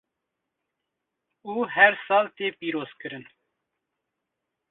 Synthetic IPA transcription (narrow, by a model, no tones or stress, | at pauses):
uːɦɛɾsɑːlt̪eːpiːɾoːz̥kɨɾɨn